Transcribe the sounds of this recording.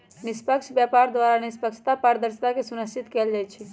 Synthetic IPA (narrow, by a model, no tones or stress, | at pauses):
nispəkt͡ʃʰbjapaɾd̪ʋaɾanispəkt͡ʃʰt̪apaɾd̪əɾst̪akesunəsit̪kɛld͡ʒat͡ʃʰɛ